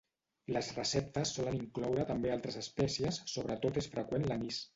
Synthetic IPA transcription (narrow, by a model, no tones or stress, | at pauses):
ləzrəsɛp̚t̪əsːɔləniŋklɔwɾət̪əmbealˠt̪ɾəzəspɛsiəsːoβ̞ɾət̪ot̪esfɾəkwenlənis